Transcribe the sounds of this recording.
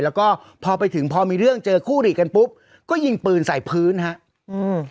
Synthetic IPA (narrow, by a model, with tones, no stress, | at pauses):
lɛː˦˥wkɔː˥˩ | pʰɔː˧pa˧jt̪ʰɯ˩˦ŋpʰɔː˧miː˧ɾɯ˥˩əŋt͡ɕɤː˧kʰuː˥˩ɾiː˨˩ka˧npu˦˥p̚ | kɔː˥˩ji˧˩ŋpɯː˧nsa˨˩jpʰɯː˦˥nɦa˦˥ʔ | ɯː˧